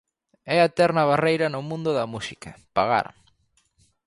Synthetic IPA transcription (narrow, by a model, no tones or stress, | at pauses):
ɛat̪ɛɾnɐβarejɾɐnʊmũnd̪ʊðɐmusikɐpaɣa̰ɾ